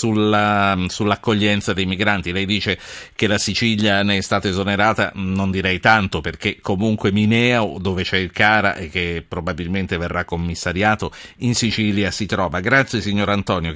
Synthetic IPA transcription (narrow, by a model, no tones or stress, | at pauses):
sulasulːakːoʎːɛnt̪sad̪ejmiɡɾant̪ilɛjd̪iːt͡ʃekelasit͡ʃiljanɛst̪aːt̪aezoneɾaːt̪a̰nond̪iɾɛjt̪ant̪operk̟ekʰːomuŋkweminɛːod̪ovet͡ʃɛilkaːɾa̰ʔek̟ːepːɾobabilment̪everːʔakːomːisːaɾjaːt̪oinsit͡ʃiːljasit̪ɾɔːvaɡɾat̪sːjesiɲːoːɾant̪ɔːnjo